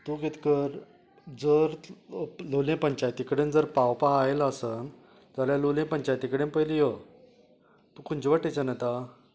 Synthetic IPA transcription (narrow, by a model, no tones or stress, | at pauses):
t̪uket̪kəɾ | d͡zəɾ | lolẽpəɲt͡ɕajt̪ikɽẽnd͡zəɾpawpaaelasən | d͡zaljalowlẽpəɲt͡ɕajt̪ikəɽẽnpəjlijo | t̪ukʰunt͡ɕiʋaʈːet͡ɕanat̪a